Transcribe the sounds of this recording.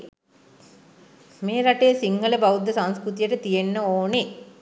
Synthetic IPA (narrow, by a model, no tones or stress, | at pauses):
meːɾɐʈeːsiŋɡɐlɐbɐwud̪ːɐsɐnskɾut̪ijɐʈɐt̪ijenːɐoːne